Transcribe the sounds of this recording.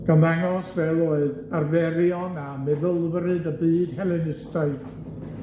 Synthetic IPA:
ɡ̥anðaŋɔsvɛlˠoːɨðarvɛɾiɔnamɛvəlˠvɾɨðəbɨːd̥hɛlˠɨnɨstaɨd

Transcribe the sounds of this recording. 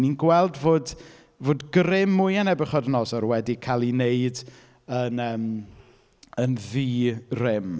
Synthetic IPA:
ninɡwɛlˠdvoːd | voːdɡɾɪmːʊjanɛbɪχɔdənɔsɔɾwɛdikʰalˠineɨd | ənəːm | ənviːrɪm

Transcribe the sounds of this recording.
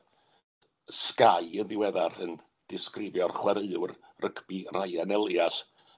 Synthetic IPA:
skajəðɪwɛðarən | d̥ɪskrɪvjɔrχwɛɾəɨwrrʔəkʰb̥irajanɛlˠjaɬ

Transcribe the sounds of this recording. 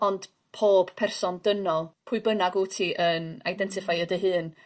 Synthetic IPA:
ɔnd̥ | pʰoːb̥pʰɛrsɔndənɔlˠpʰʊɨbənaɡoːtʰiʔənajdɛntʰɪfajədəɦɨːn

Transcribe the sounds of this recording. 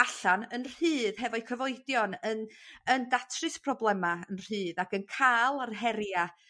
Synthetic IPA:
aɬanənr̥ɨːðɦɛvɔɨkʰəvɔɨdjɔnənəndatʰrɨspʰrɔblˠɛmaənr̥ɨːðakənkʰaːlˠarɦɛɾja

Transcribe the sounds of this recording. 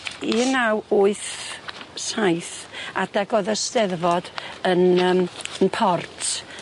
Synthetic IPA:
inawʊɨθ | sajθad̥aɡɔðəstɛrvɔdənəmənpʰɔrtʰ

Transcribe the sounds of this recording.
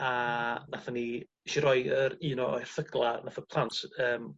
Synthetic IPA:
anaθani | ʃiɾɔɨəɾiːnɔɔjr̥θəɡlˠanafəpʰlˠantʰəːm

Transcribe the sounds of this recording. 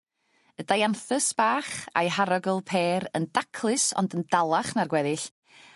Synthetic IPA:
ədajanθɨsb̥aːχa̰jɦaɾɔɡəlˠpʰeːɾə̰ndakʰlˠɨsɔ̰ndəndalˠaχnarɡwɛðɪɬ

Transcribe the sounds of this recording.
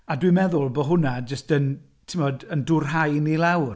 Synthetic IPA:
adwimɛðʊlˠbɔɦʊnad͡ʒəstən | tʰɪmɔdəndʊrɦajnilawr

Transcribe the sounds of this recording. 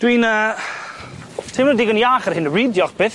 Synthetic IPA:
d̥winəː | tʰemnɔdɪɡɔnjaːχərɦɪnridjɔχb̥ɪːθ

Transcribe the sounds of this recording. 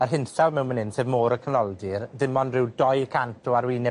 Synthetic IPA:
ərɦɪnθawmɛwmənɪnseːvmoːɾəkʰənɔlˠdirðɪmɔnrɪwdɔjkʰantʰɔaɾwiːnɛ

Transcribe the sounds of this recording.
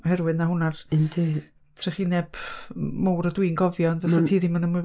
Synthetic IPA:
hɛɾwɨðnaɦʊnarndi | tʰrɛχinɛb̥mowɾədwinɡɔvjɔnvɛsatʰiːðimanəmɨ

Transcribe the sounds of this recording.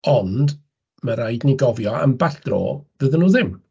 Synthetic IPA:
ɔnd | məɾajdniɡɔvjɔə̰mbaɬd̥ro̰ːvəðənuːðɪm

